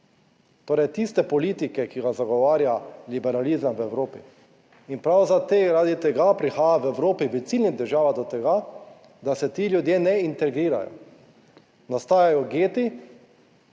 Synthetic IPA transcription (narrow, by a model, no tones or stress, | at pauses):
t̪oːɾɛjt̪ist̪ɛpɔliːt̪ikɛkiɡazaɡɔʋaːɾjalibɛɾalizamwɛwɾoːpi | inpɾawzat̪eɾaːd̪it̪ɛɡapɾixaːjawɛwɾoːpiʋit̪silnid̪ɛɾʒaːʋad̪ɔt̪ɛɡa | d̪asɛt̪iːljud̪jenɛint̪ɛɡɾiːɾa̰jɔ̰ | nast̪aːjajɔɡeːt̪i